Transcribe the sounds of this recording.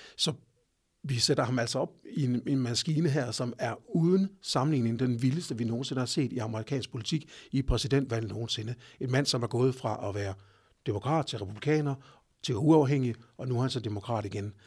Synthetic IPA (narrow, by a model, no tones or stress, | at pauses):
sɒ̽ | ʋised̥ɐhɑ̈mæl̰sɒ̽ɒ̽b̥̚ienenmæsɡ̥iːnəɦæɐ̰sɒ̽mæɐuð̞ˠən̩sɑ̈mn̩lḭːneŋd̥enʋiləsd̥əʋino̝ːn̩se̝nəhɑ̈se̝̰ːd̥iɑ̈məʁikʰɛ̰ːnsɡ̥̚pʰo̝lit͡sʰiɡ̥ipʰʁɛsid̥en̰d̥ʋæl̰no̝ːn̩se̝nəe̝nmæn̰sɒ̽mæɐɡ̥ɔ̽ːð̞̩ˠfʁɑ̈ʔɒʋæːɐ | d̥emo̝kʰʁɑ̰̈ːd̥̚t͡sʰe̝lʁɛpʰub̥likʰɛ̰ːnɐ | t͡sʰe̝luɑ̈ʊɦeŋ̰iɒ̽nuhænsɒd̥e̝mo̝kʰʁɑ̰̈ːɾ̥iɡ̥en